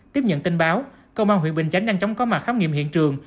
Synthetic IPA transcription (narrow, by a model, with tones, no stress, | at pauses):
t̪i˦˥əp̚ɲə̰˧˨nt̪i˧ŋɓaː˨˦w | kə˧wmaː˧nɦḭ˧˨ɓï˨˩ŋ̟t͡ɕa˨˦jŋ̟ɗaː˧ŋt͡ɕɔ˨˦wŋ͡mkɔ˨˦ma˨˩xaː˨˦wŋḭ˧˨əmhḭ˧˨ənt͡ɕɨ˨˩əŋ